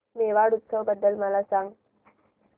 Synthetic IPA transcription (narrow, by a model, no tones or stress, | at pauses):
meʋaɽut̪səʋbəd̪ːəlməlasaŋɡ